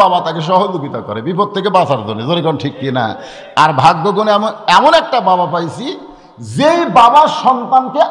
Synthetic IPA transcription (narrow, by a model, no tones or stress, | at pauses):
abat̪akeʃ̬ɔɦod͡ʑukit̪akɔ̰ɾebipot̪ʰːekebasaɾd̪ʱonezoɾikɔnʈʰikːina̰ | aɾbʱaɡ̚boɡonɛmonɛmonɛk̚ʈababapajt͡ɕʰi | d͡ʑejbabaɾʃɔnt̪anke